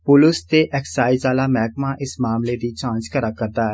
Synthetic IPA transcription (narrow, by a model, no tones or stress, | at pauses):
pʊlʊst̪eʔɛːkssaːizaːlamɛɦkmãʔɪsmaːmled̪it͡ʃãːnt͡ʃkəɾakɐɾdt̪aɦɛː